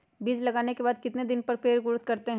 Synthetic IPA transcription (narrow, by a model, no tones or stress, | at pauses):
biːd͡ʒlɐɡaːnekebaːd̪̚kɪt̪ned̪ɪnpɐɾpeːɾɣʊɾʊt̪kɐɾt̪eɦɛ̃